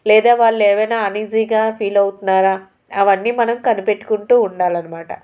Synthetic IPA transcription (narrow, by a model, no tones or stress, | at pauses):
lɛːd̪aːʋaːɭːɛːʋɐjnaːɐniːd͡ʒiːɡaːpʰiːlɐwt̪unːaːɾaː | ɐʋɐnːiːmɐnɐmkɐnipe̞ʈːu̥kuɳʈuːuɳɖaːlɐnɐmaːʈɐ̰